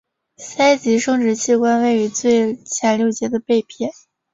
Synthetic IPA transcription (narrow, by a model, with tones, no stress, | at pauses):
sa˥ɪt͡ɕi˧˥ʂɤ˥ŋʈ͡ʂɻ̩˧˥t͡ɕʰi˥˩kwa˥nwe˥˩ɪy˧˥t͡swe˥˩ɪt͡ɕʰjɛ˧˥nljo˥˩ʊt͡ɕjɛ˧˥d̪ə˧˨pe˥˧ɪpʰjɛ˥˩˦n